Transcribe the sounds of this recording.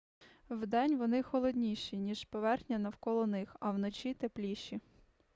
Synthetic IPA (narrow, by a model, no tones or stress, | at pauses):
wd̪ɛnʲʋɔnɪxɔlˠɔd̪ʲnʲiʃinʲiʒpɔʋɛrxnʲɐnɐwkɔlˠɔnɪxɐwnɔt͡ʃʲit̪eplʲiʃi